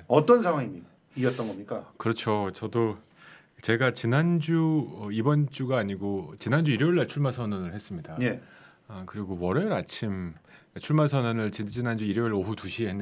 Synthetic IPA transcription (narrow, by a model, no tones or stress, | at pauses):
ʌt͈ʌnsʰaŋwaŋimi | iʌt͈̚ʌnɡʌmɲik͈akɯɾʌt͡ɕʰot͡ɕʌdo | t͡ɕe̞ɡat͡ɕinand͡ʑuʌibʌnt͡ɕ͈uɡaːɲiɡot͡ɕinand͡ʑuiɾeiɭːet͡ɕʰuɭmasʰʌnɯnɯɭhe̞s͈ɯmɲidaje | ʌkɯɾiɡowʌɾeɾat͡ɕʰim | et͡ɕʰuɭmasʰʌnɯnɯɭt͡ɕit͡ɕinand͡ʑuiɾeɭoɦutuɕʰiɦenː